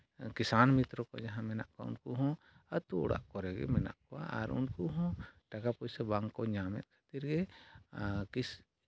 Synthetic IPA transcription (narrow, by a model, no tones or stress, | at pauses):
kisanmit̪ɾɔkɔd͡ʒaɦãmɛna̰ʔkaṵnkuɦɔ̃ | ət̪ṵːɽa̰ʔkɔɾɛɡɛ̰mɛna̰ʔkɔa̰a̰ɾṵnkuɦɔ̃ʈakapɔjsɛbaŋɡkɔɲamɛ̰t̪̚ˀkʰḁt̪iɾɡɛ | kis